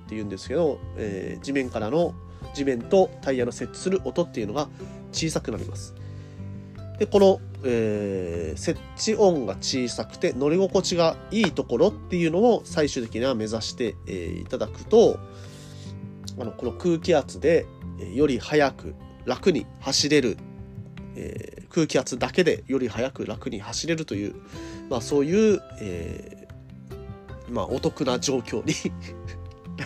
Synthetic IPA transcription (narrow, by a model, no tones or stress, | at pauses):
t̪ːe̞jɯ̟̃nd̪e̞sɨ̥ke̞d̪o̞ḛːd͡ʑimẽ̞ŋkaɾano̞ | d͡ʑimẽ̞nt̪o̞t̪aijano̞se̞t͡ɕːi̥sɨɾɯ̟ʔo̞t̪o̞t̪ːe̞jɯ̟no̞ɡa | t͡ɕiːsakɯ̟naɾʲḭmʔa̰sɨ̥ | d̪̥e̞ko̞no̞eː | se̞ | t͡ɕːiʔõ̞ŋɡat͡ɕiːsakɯ̟̥t̪e̞no̞ɾʲiɡo̞ko̞t͡ɕiɡaiːt̪o̞ko̞ɾo̞t̪ːe̞jɯ̟no̞osaiɕɨːt̪e̞kʲiɲiβame̞zaɕi̥t̪e̞̰ːḭt̪ad̪akɯ̟̥t̪o̞ | ano̞ko̞no̞kɯ̟ːkʲiat͡sɨd̪e̞ejo̞ɾʲihajakɯ̟̰ | ɾakɯ̟ɲ̟ḭhaɕiɾe̞ɾɯ̟ | ḛːkɯ̟ːkʲiat͡sɨd̪ake̞d̪e̞̰jo̞ɾʲihajakɯ̟ɾakɯ̟ɲ̟ihaɕiɾe̞ɾɯ̟t̪o̞jɯ̟̰ːmaso̞ːjɯ̟ːḛː | ma̰ʔo̞t̪o̞kɯ̟nad͡ʑo̞ːkʲo̞̰ːɲ̟i